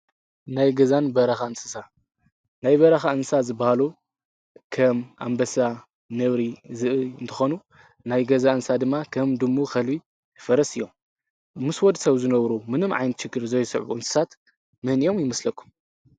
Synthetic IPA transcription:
najɡɐzanbɐɾɐxaɨnsɨsa | najβɐɾɐxaɨnsazɨbahalu | kʰɐmʔa̰mbɐsa | nɐβɾizɨʔɨɨnt̪ʰɨxonu | najɡɐzaɨnsad̪ɨmːakʰɐmd̪ɨmːoxɐlbi | ɨfɐɾɐsɨjːom | mɨswɔd̪sɐβzɨnɐβɾumɨnɨmʕa̰jnɨt̪ʃɨkːɨɾzɐjsɨ̰ʕuʔɨnsɨ̥sʰat̪ | mɨhnio̞mjɪmɐslɐkʰːu̥m

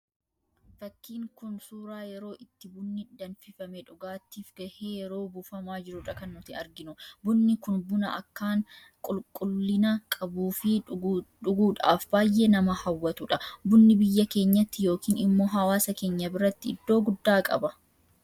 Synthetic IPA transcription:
fɐkːiːŋkʊnsuːɾaːjɛɾo̞ːʔɪt̪ːɪbʊnːɪd̪ɐnfɪfɐmɛᶑʊɡaːt̪ːiːfɡɐheːjɛɾo̞ːbuːfɐmaːd͡ʒɪɾʊᶑɐkɐnːʊt̪ɪɐɾɡɪnʊbʊnːɪkʊnbʊnɐʔɐ̰kːaːŋ | kʼʊlkʼʊlːɪnɐkʼɐbuːfɪᶑʊɡuːᶑa̰ːfbaːjːenɐmɐhɐwːɐt̪ʊᶑɐbʊnːɪbɪjːɐke̞ːɲːɐt̪ːɪjo̞ːkiːnɪmːo̞ːɦɐwaːsɐke̞ːɲːɐbɪɾɐt̪ːɪɪd̪ːo̞ːɡʊd̪ːaːkʼɐ̰bɐ

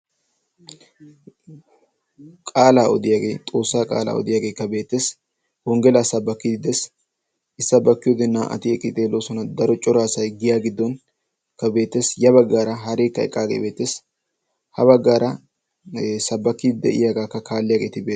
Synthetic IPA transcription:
kʼaːlaːɔd̪ɪjaːɡe̞̰ːt̪ʼo̞ːsːaːkʼa̰ːla̰ːɔ̰d̪ɪjaːɡeːkːɐbe̞ːt̪ːeːs | hɔŋɡɛlaːsɐbːɐkːɪd̪ɪd̪es | ɪsːɐbːɐkːɪjod̪ɛnːaːʔɐ̰t̪ɪɛkʼːɪd̪eːloːsɔnɐd̪ɐɾɔt͡ʃʼɔɾaːsɐjɡɪjaːɡɪd̪ːɔn | kɐbe̞ːt̪ːeːsjɐbɐɡːaːɾɐɦɐɾeːkːɐɛ̰kʼːaːɡḛbeːt̪ːeːs | hɐβɐɡːaːɾɐ | sɐbːɐkːɪd̪ɪd̪ɛ̰ʔɪ̰jaɡaːkːɐkʰaːlːɪjaːɡe̞ːt̪ɪbeː

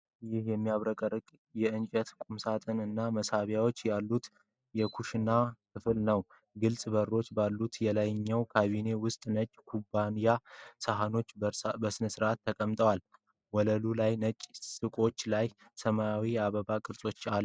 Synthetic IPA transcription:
jɪhjɛmːijaβɾəkʼəɾɨkʼ | jɛɨnt͡ʃʼət̪kʼumsat̪ʼʰənɨnːaməsaβjawo̞t͡ʃːjalːut̪ | jɛkʰuʃɪnːakʰɨfɨlnəw | ɡɨlsʼbəɾːo̞t͡ʃːbalːut̪jɛlajɲːəwkʰaβine̞wʊst̪ʼnət͡ʃʼːkʰubanijasəɦano̞t͡ʃːbəsɨnəsɨɾʔat̪ʰːəkʼəmt̪ʼəwal | wɔləlulajnət͡ʃʼsɨkʼo̞t͡ʃːlaj | səmajawiaβəβakʼɨɾsʼo̞t͡ʃːalː

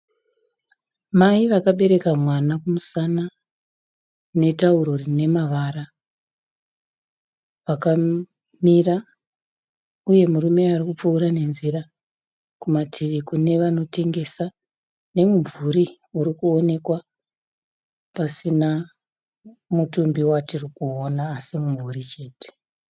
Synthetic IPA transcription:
maiʋakaɓe̞ɾe̞kamwanakumusana | ne̞tauɾorine̞maʋaɾa | ʋaka | mira | uje̞muɾume̞arikup͡fuːɾane̞nzira | kumatʰiʋikune̞ʋano̞te̞ŋɡe̞sa | ne̞muɱvuɾi | uɾikuo̞ne̞kwa | pasina | mutumbiwatirikuo̞naːsimuɱvurit͡ʃe̞ːte̥

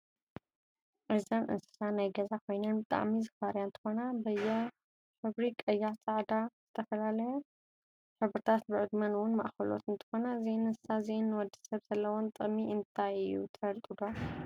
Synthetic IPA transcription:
ʔɨzanʔɨ̰nsɨ̥sanajɡɐzakʰo̞jnɐnbɨt̪ʼa̰ʕmizɨfaɾjaɨnt̪ʰɨ̥xo̞nabɐjːɛ | ħɨβɾikʼɐjːaʕt͡sʼaʕd̪az̥ɨt̪ʰɐfɐlalɐjo | ħɨβɾɨt̪ʰat̪̚bɨʕɨd̪mɐnwʊnmɐ̰ʔxɐlo̞̰t̪ɨnt̪ʰɨ̥xo̞nazenɨnsɨ̥sazenːwɔd̪ːi̥sɐβzɐlːɐwont̪ʼɨmiɨnt̪ʰajɨjṵt̪ʰɐɾt̪ʼɨd̪o

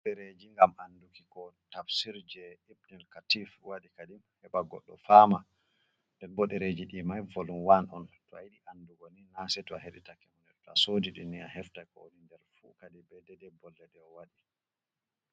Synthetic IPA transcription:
ɗɛɾed͡ʒiŋɡamandukikɔtafsiɾd͡ʒɛibnɛlkatifwaɗikadimhɛɓaɡɔ̰ɗːɔ̰fama | ndɛnbɔɗɛɾed͡ʒiɗimajvolumwanʔɔ̰ntɔajiɗiʔanduɡɔninasɛtɔaheɗḭtakɛmɔnɛtɔasodiɗiniahɛftakɔ̰onindɛɾfṵkadiɓɛdɛdɛbɔlːɛɗɛɔwaɗi

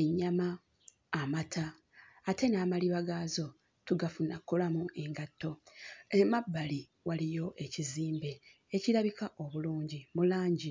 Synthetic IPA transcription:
e̞ɲːamaː | matʰaː | te̞naːmaliβaɡaːzo̞ | tuɡafunakːolamue̞ŋɡatːo̞emabːali | walijo̞ʔe̞ciziːmbe̞ | eciɾaβikaʔo̞βuluːɲɟimulaːɲɟi

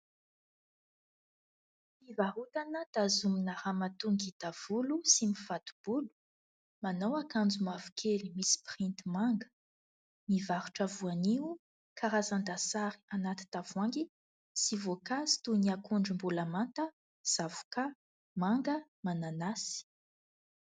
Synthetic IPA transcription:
ivaɦut̪anəd̪̥azuminaɾamat̪uŋɡid̪̥av̥ulusimifat̪u̥b̥ulu̥ | manawakand͡zumavukʰelimisi̥print̪imaŋɡə̥ | mivaɾuʈ͡ʂavuaniu | kʰaɾazand̪asaɾi̥anat̪i̥t̪av̥waŋɡi | sivokazi̥t̪uniakuɳɖ͡ʐumbulamant̪ə | z̥avu̥ka | maŋɡəmananasi̥

